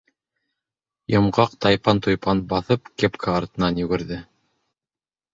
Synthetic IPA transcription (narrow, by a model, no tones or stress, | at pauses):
jŏmʁɑq̚t̪ɑjpɑnt̪ujpɑnbɑθɤpkepkʰaɑɾt̪ɤ̆nɑnjɵɡɘ̆ɾðɘ